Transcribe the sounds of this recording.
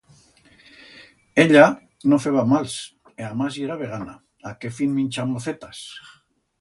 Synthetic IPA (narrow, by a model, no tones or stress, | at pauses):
eʎa | nofeβamals | eamazjeɾaβeɣ̞ana | akefinminʲt͡ʃamːoθet̪as